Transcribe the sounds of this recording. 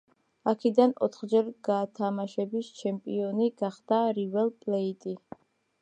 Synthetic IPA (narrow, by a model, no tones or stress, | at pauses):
akʰid̪anɔ̰t̪ʰχd͡ʒɛɾɡ̥aːt̪ʰamaʃɛbist͡ʃʰɛmpʼiɔniɡ̥aχd̪̥aɾivɛlˠpʼlɛit̪ʼi